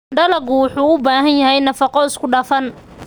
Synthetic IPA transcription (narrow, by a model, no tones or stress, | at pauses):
ɖɐlɐɡʊwʊħuːʊbaːɦɐnjɐɦɛjnɐfɑqɔɪskʰʊɖɑːfɐn